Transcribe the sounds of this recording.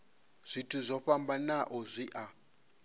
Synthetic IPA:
z̥ʷitʰuzʷɔɸambanaʔɔzʷiʔa

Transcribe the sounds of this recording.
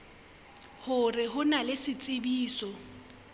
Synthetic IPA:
hʊrɪɦʊnalɪsɪt͡sʼɪbiːsɔ

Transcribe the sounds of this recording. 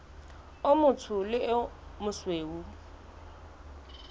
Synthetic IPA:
ʊmʊtʰʊlɪmʊsweːu

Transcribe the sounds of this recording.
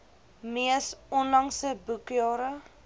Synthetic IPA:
miəsɔnlɐŋsəbukjɑːɾə

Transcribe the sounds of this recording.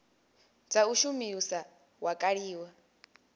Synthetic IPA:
d͡zauʃumiusa | wakʼaɺiːwa

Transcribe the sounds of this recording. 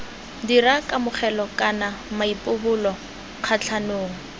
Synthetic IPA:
dirakʼamʊχɛlɔkʼanamaipʼʊbʊlɔ | q͡χʰat͡ɬʰanoːŋ̩

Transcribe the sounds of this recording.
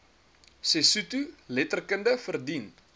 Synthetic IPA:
sesutulɛtərkəndəfərdin

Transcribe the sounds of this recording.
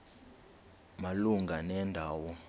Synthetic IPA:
maluŋɡʱanɛːndʱaːwɔ

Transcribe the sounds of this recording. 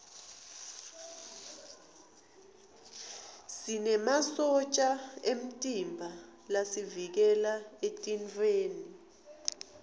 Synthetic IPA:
sinɛmasɔt͡ʃʼaem̩tʼimbʱalasivik̬ɛlaetʼint͡fʼeːni

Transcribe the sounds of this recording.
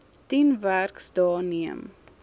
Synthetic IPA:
tinværksdɑːniəm

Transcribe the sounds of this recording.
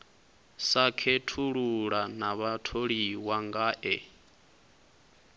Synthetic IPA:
sakʰetʰuɺuɺanaβatʰoɺiwaŋɡaːʔɛ

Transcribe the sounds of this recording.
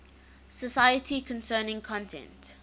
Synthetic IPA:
səsajətʰikʰɔ̃nsɜːnɪ̃ŋkʰɔ̃ntʰɛ̰̃nt

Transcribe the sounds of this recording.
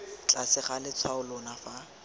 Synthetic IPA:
t͡ɬʼasɪχalɪt͡sʰwaʊlɔnafa

